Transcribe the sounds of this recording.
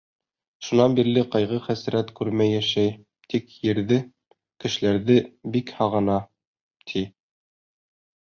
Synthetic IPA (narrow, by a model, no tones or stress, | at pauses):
ʃunɑnbiɾlɘqɑjʁɤχæs̆ɾæt̪kʉɾmæjːæʃæj | t̪ikjɘ̆ɾðɘ | kɘ̆ʃɘ̆læɾðɘbikhɑʁɤ̆nɑ | t̪ʰi